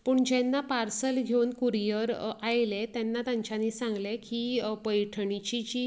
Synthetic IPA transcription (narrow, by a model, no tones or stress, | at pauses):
pəɳd͡ʑɛnːapaɾsəlɡʱewnkuɾijəɾajlet̪ɛnːat̪jãɲt͡ɕaniːsãŋɡlekiːpəjʈʰɳit͡ɕit͡ɕiː